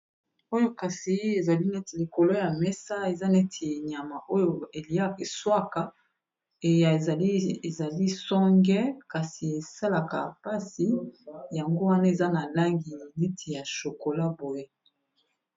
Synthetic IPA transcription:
o˦jo˦ka˨si˨˦e˨za˨li˦ne˦ti˨li˨ko˨lo˦ja˨mɛ˦sa˦e˨za˦ne˦tʰi˨ɲa˨ma˨ʔo˦jo˨e˨li˨a˦ki˨swa˦ka˨ | e˨ja˨˦e˨za˨li˦sɔ˦ŋɡɛ˦ka˨si˨e˨sa˦la˨ka˨pa˦si˨ja˨ŋɡo˦wa˦na˦e˨za˦na˨la˦ŋɡi˨ne˦tʰi˨ja˨ʃo˨ko˨la˦bo˨je˦

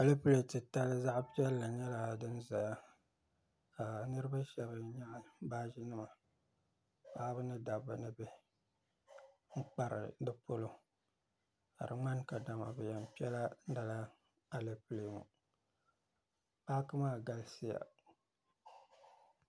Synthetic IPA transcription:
a˨le˦ple˨tɨ˨ta˦lɨ˦za˦ʔpi˦ɛ˦lːa˨ɲɛ˦la˨dɨ˦n˦za˨ja˦ | ka˨nɨ˦ɾɨ˦ba˦ʃɛ˦βɨ˨ɲa˦ʔbaː˦ʒi˦nɨ˦ma˨ | ba˦bɨ˦nɨ˦da˨ba˨nɨ˦bɛ˦ | ŋ̩˦k͡pa˦ɾɨ̰˨dɨ˦po˦lo˦ | ha˨ɾɨ˨ŋ͡ma˦nka˨da˨ma̰˨bɛ˨jɛ˨m˨pi˦ɛ˦la˦da˨la˦ | a˨le˦ple˨mṵ˨ | pa˦kɨ˦maː˦˨ɡa˦lsi˦ja̰˨

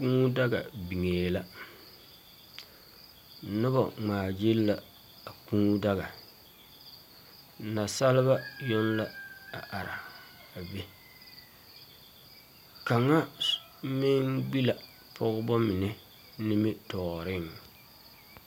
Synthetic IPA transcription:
kũː˦da˦ɡa̰˨bi˨ŋeː˨la˦˨ | nʊ˦ba̰˨ŋ͡maː˨d͡ʒe˦lːa˨ | a˨kũː˦da˦ɣa˨ | na˨sa˦lɪ˦βa˦jo˦nla˦a˨ʔa˨ɾa˨ | a˨be˦ | ka˨ŋa˦ | mɪ˦ŋɡ͡bi˦la˨ | pʰɔ˦ɣʊ˦bɔ˦mɪ˨nɛ˦ | nɪ˦mɪ˦tɔː˨ɾɪ˦ŋ

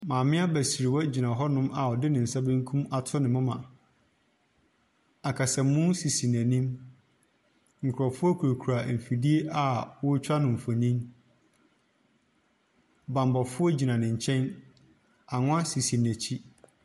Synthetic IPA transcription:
mãː˨mɪ̃˦a˦bæ˨si˨ɾi˨wɔ˦d͡ʑi˨nã˨ɦɔ˦nʊ̃˦ma˨ɔ˨dɪ˦nɪ̃˨n̩˨sa˦bɪ̃˦ŋ˦kʰũ˦ma˨tʰʊ˦nɪ̃˨mʊ̃˦mã̰˨ | a˨kʰa˨sɛ˨m̩˦mʊ̃˦nsi˨si˨n˨æ̃˨nĩ˦m | ŋ̩˨kʰʊ˨ɾɔ˨fʊ˦ɔ˦kʰu˨ɾo˨kʰu˨ɾa˨m̩˨fi˨di˦e˦ʔa˨wʊ˦t͡ɕʰᶣa˦nʊ̃˨m̩˨fɔ˨nĩ˦m | bã˨mbɔ˨fʊ˦ɔ˦d͡ʑi˨nã˨nɪ̃˨ɲ̩˨t͡ɕʰɛ̃˦n | a˨ŋʊ̃˦a˦si˨si˨n˨æ̃˨t͡ɕʰi˦

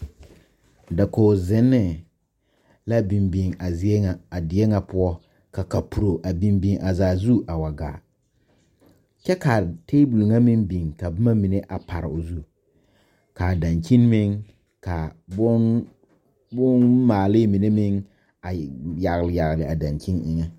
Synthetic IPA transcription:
da˨koː˨zɪ˦nːɪ˦ | la˦bi˨mbi˨ŋa˨za˨a˨dɪ˨ɛ˦ŋa˨pʊ˦ɔ˦ | ka˨ka˨pu˨ɾo˨ʔa˨bi˦mbi˦ŋʔa˨zaː˨zu˦ʔa˨wa˨ɡa̰ː˨ | t͡ʃɛ˦ka˨teː˦bu˨lu˨ŋa˦mɪ˦nbi˨ŋka˨bʊ˦ma˦mi˨ne˦ʔa˨pa˨ɾɪ̰˨o˨zu˦ | ka˨da˨nt͡ʃi˦nmɪ˦ŋ | ka˨bʊ˦ | bʊ˦nmaː˨lɪ˦mi˨ne˦mɪ˦ŋ | a˨ja˨ɣlɪ˨ja˨ɣlɪ˨a˨da˨nki˦nʔɪ˦ŋɛ˦

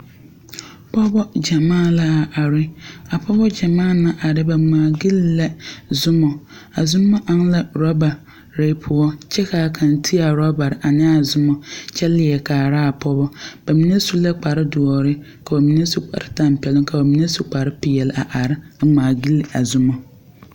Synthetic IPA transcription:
pʰɔ˦bɔ˦d͡ʑa˨mãː˦˨la˦˨ʔa˨ɾɪ˦a˨pʰɔ˦bɔ˦d͡ʑa˨mãː˦˨nã˦ʔa˨ɾɪ˦bɛ˨ŋ͡mãː˨ɡi˦lːɛ˦zʊ˦mɔ̃˨ | a˨zũ˦mːã˦ʔã˦nlɛ˦ɾɔ˦ba˨ | ɾe˨˦pʰʊ˨ɔ˦t͡ɕʰɛ˦kʰaː˨kʰã˨n˨tʰi˦a˨ɾɔ˦ba˨ɾʔa˨nɪ̃˦a˨zʊ˦mɔ̃˨t͡ɕʰɛ˦lɪ˨ɛ˨kʰaː˨ɾa˦a˨pʰɔ˦bɔ˦b̥æ˨mĩ˦ne˦su˦lɛ˦k͡pa˨ɾɪ˦dʊ˨ɔ˨ɾɪ˦ | kʰa˨ɔ˨mĩ˦ne˦su˨k͡pa̰˨ɾɪ˨tʰã˨m̩˨pʰɛ˨lɪ̃˦ŋkʰa˨ɔ˨mĩ˦ne˦su˨k͡pa˨ɾɪ˦pɪ˨ɛ˨la˨ʔa˨ɾɪ˦a˨ŋ͡mãː˨ɡi˦la˨zʊ˦mɔ̃˨

